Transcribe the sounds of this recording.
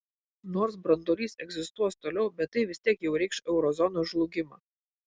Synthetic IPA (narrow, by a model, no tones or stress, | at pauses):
noːɾsbɾɐnd̪oːlʲiːsɛɡzʲɪst̪uɔst̪oːlʲɛʊbʲɛt̪ːɐɪʋʲɪsʲt̪ʲiɛkjɛʊɾʲɛɪkʃɛʊɾɔzɔnoːʒlˠʊɡʲɪmɑː